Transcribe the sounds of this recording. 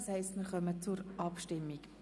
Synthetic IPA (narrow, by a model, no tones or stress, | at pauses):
shɛɪstmɪɾχœmət͡sʊɾʔɑpʃtɪmːik